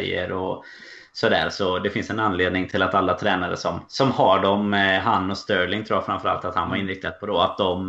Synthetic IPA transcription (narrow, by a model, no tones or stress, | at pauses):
jːə̰ɾɔ | sɔd̪æ̰ːɾsɔd̪ɛfɪnsɛnanleːd̪nɪŋt̪ʰɪlat̪alːat̪ʰɾɛːnaɾə̰sɔmsɔmhaɖɔmɦanːɔst̪œːɾlɪŋt̪ʰɾuːjafɾamfœɾa̰lt̪at̪hanvaɾɪnɾɪk̚t̪ʰad̪̚pʰɔd̪ɔat̪̚d̪ɔm